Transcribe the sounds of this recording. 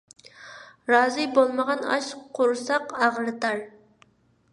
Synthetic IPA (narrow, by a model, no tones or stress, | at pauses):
ɾɑːzɨbolˠməʁɑnɑ̰ʃqqʰːʊɾsɑqɑʁɾɨt̪ɑɾ